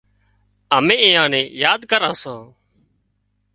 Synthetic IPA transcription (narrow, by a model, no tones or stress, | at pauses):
əmẽːɪ̃ːãːnẽːjaːd̪kəɾãːsãː